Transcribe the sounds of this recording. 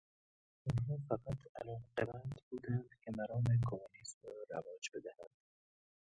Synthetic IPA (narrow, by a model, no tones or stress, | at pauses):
unɦɒːfæqat̪ʰa̰lɒːqebænd̪buːd̪ænd̪kʲʰemæɾɒːmekʰomunismɾɒɾa̰vɒːd͡ʒbe̞d̪æhænd̪̥